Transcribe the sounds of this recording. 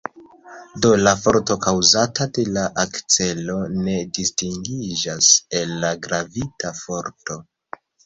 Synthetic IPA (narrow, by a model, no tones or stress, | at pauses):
do̞lafo̞ɾto̞kawzatade̞laʔakt͡se̞lo̞ne̞distiŋɡid͡ʒaselːaɡɾavitafo̞ɾto̞